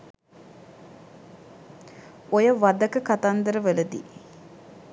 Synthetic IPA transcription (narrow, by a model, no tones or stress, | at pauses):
ojəʋad̪əkəkat̪and̪əɾəʋeləd̪ḭ